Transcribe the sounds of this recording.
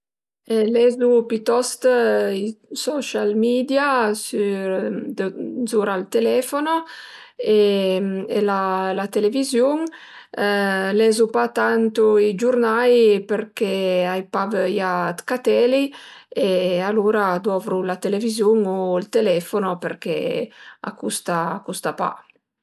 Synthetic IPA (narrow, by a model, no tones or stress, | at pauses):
elɛzupit̪ɔst̪isɔʃalmid̪jasyd̪zuɾalt̪elɛfono | e | ḛlalat̪elevizjuŋ | lɛzupat̪ant̪uid͡ʒurnajperkeajpavəjat̪kat̪ɛliealuːɾad̪ɔvɾulat̪elevizjuŋoilt̪elɛfonoperkḛa̰kust̪akust̪apa̰